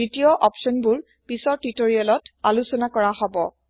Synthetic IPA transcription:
itijɔʔɔpsɔnbʊɹ | pisɔtitoɹialɔtalusɔnakɔɹaɦɔbɔ̰

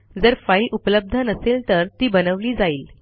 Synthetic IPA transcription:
d͡zəɾfailupləb̚d̪ʱənəselt̪əɾt̪iːbənəʋliːd͡zaiːl

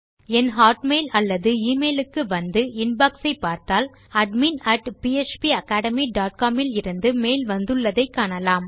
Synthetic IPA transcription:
ɛnɦaːʈmeɪlɐlːɐðɯiːmeːlɯkːɯʋɐnd̪ɯɪnbɐːksɐɪpːaːɾt̪aːl | ɐɖminɐʈpiɛt͡ʃpiɐkːaːɽɐmiɖaːʈ̚kaːmɪlɪɾɯnd̪ɯmeːlʋɐnd̪ɯɭːɐðɐɪkːaːɳɐlaːm

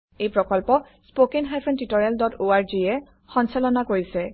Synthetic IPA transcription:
ejpɹɔkɔlpɔ | spokiŋɦajpʰɔntitɔɹialdɔtʰoaɹziɛ | xɔnsalɔnakoɹisɛ

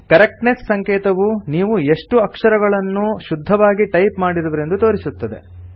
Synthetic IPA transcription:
kɐɾek̚ʈnessɐŋkɛːt̪ɐʋuniːʋue̞ʂʈuɐkʂɐɾɐɡɐɭɐnːuʃud̪ʱːɐʋaːɡiʈɐjpmaːɽiɾɐʋɐɾe̞nd̪ut̪o̞ːɾisut̪ːɐd̪e̞̰

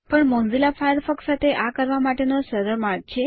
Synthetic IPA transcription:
pəɳmõnd͡zilafajəɾfəksat̪ʰeʔakəɾʋamaʈenosəɾəɾmaɾɡ̚t͡ʃʰe

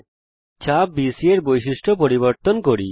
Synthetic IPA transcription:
t͡ɕʰabbisieɾbojʃiʃʈʰopoɾiβoɾt̪onkoɾḭ

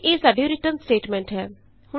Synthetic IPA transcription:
eːsaːɖioːɾɪʈənsʈeːʈmɛ̃ːɳʈɦɛː | hʊ

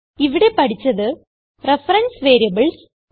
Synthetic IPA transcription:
iʋiɽe̞pɐɽit͡ɕːɐðɨ | refɐɾɐnsʋeːɾijɐbɨɭs

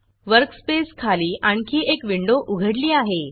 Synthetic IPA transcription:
ʋəɾkspeskʰaliːʔaɳkiːʔekʋiɳɖoʔuɡʱəɽliːaɦe

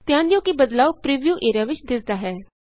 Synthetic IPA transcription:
t̪jãːnd̪jõːkibəd̪laːwpɾiːʋjuːʔeːɾjaːʋɪt͡ʃd̪ɪsd̪aːɦɛː

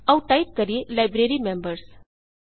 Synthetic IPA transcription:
ɐuʈajʈ̚kɐɾielaɪbɾeːɾimẽmbəɾs

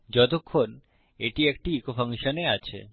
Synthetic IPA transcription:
d͡ʑɔt̪̬okʰːon | eʈiekʈiikofaŋʃoneat͡ɕʰḛ

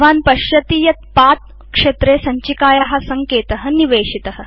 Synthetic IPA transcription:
ʋaːnpɐʃjɐt̪iːjɐt̪̚paːt̪̚ | kʂet̪ɾeːsɐɲt͡ʃikaːjaɦasɐŋkeːt̪ɐɦə̆niʋeːʂit̪əɦə̆

